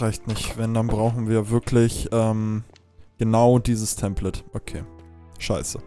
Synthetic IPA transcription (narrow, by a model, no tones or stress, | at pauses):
ʁaɪçtnɪçtvɛndanbʁaʊxn̩viːɐvɪɐkʰlɪçʔɛːm | ɡ̥ənaʊdiːzəstʰɛmplɛtʔokʰeːʃaɪsə